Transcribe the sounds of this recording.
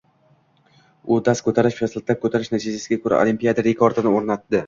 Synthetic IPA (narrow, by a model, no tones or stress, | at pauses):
ʊd̪askʰɵt̪ʰaɾɪʃpaslɪt̪ʰap̚kʰɵt̪ʰaɾɪʃnat̪ʰid͡ʒasɪɡʲakʰɵɾa̰o̰limpijad̪aɾe̞kʰoɾt̪ɪnɪoɾnat̪ːɪ